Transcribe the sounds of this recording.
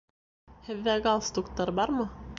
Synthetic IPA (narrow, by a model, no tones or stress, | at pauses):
hɘ̆ðːæɡɑlˠst̪ukt̪ɑɾbɑɾmɤ